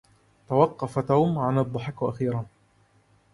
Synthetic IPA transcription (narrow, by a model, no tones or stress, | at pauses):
t̪awɑqːɑfat̪aːmʕanɑd̪ˤːɑħakʔaxiːɾɑn